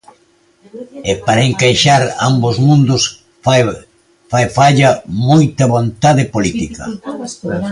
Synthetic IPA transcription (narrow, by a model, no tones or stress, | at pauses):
epaɾɐeŋkajʃaɾa̰mbozmũnd̪ʊs | fajfaʎɐmojt̪ɐβont̪aðɪpolit̪ikɐ̰